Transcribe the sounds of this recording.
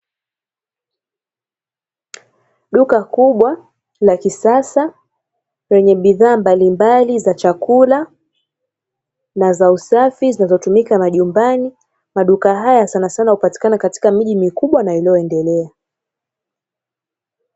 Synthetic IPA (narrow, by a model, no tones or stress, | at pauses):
ɗukakuɓwa | lakisasa | wɛɲɛɓiðaːmbalimbalizat͡ʃakula | nazausafizinazɔtumikamaʄumbani | maɗukaɦajasanasanahupati̥kanakati̥kamiʄimikuɓwanailiɔɛndɛlɛa